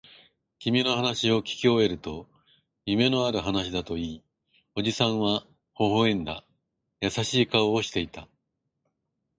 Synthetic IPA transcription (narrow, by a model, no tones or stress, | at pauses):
kʲimʲino̞hanaɕio̞kʲi̥kʲio̞e̞ɾɯ̟t̪o̞ | jɯ̟me̞no̞aɾɯ̟ɦanaɕ̬id̪at̪o̞iː | o̞d͡ʑisãɰ̃βa | ho̞ɦoẽ̞nd̪a̰ | jasaɕiːkaoːɕi̥t̪e̞it̪a